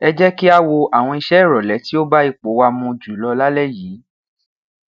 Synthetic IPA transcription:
ɛ˧d͡ʒɛ˦ki˦a˧wo˧a˨w̃ɔ̃˧i˧ʃɛ˦˨ɾɔ˨lɛ˨˦ti˦o˦ba˦i˦˨k͡po˨˦wa˧mũ˧d͡ʒu˨lɔ˧la˦lɛ˦˨jiː˨˦

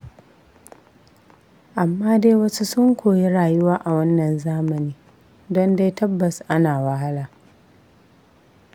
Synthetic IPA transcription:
ʔa˨mːaː˦de˦wɐ˦su˦sʊ˦ŋkʷoː˨ji˦ɽaː˨jʊ˦waː˦ʔa˨wɐ˦nːɐ˨nzaː˦mɐ˨niː˦ | dɔ˦nde˦jtɐ˦bːɐ˨sʔa˦naː˨wɐ˦ɦa˦laː˨

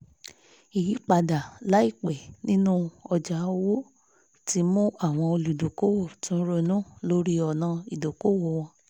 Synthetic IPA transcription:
i˨ji˨˦k͡pa˧da˨la˨˦i˦˨k͡pɛ˨nĩ˦nũ˦ɔ˧d͡ʒa˨˦wo˦ | ti˦mũ˦a˦˨w̃ɔ̃˧o˧lu˨do˨ko˦wo˦˨tũ˨˦ɾo˧nũ˦lo˦ɾi˦ɔ˨nã˧i˨do˨ko˨˦wo˨w̃ɔ̃˧˦

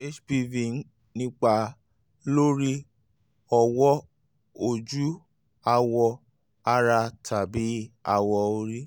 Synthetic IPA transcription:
e˦t͡ʃbi˧vi˨n̩˦ | nĩ˦k͡pa˧ | lo˦ɾi˦ | ɔ˧wɔ˦ | o˨d͡ʒu˦ | a˧wɔ˧ | a˧ɾa˧tʰa˨bi˨˦a˧wɔ˧o˧ɾi˦

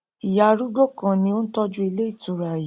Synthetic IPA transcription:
i˨ja˨ɾu˦ɡ͡bo˦˨kã˨nĩ˧o˦n̩˦tɔ˦d͡ʒu˦i˧le˦i˦˨tu˨ɾa˨ji˨

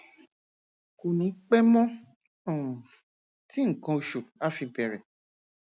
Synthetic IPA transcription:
ko˨nĩ˨˦k͡pɛ˦mɔ̃˦ | ɔ̃˨ | ti˦ŋ̩˨kã˧o˧ʃu˨a˦fi˧bɛ˨ɾɛ˨

